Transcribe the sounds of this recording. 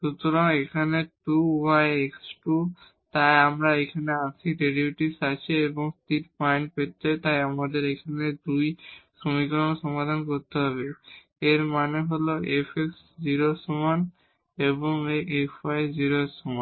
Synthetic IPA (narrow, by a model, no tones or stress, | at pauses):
ʃut̪oɾaŋekʰaneʈuwajeksʈu | t̪ajamɾaekʰaneat͡ɕʰiɖeɾiiʈisat͡ɕʰieboŋst̪itpajnpet̪ːet̪ajamad̪eɾekʰaned̪ujʃomikoɾonoʃɔmad̪ʱankoɾt̪eɦɔβe | eɾmaneɦoloʔefʰeks | d͡ʑiɾosɔman | eβoŋeefajd͡ʑiɾoesɔman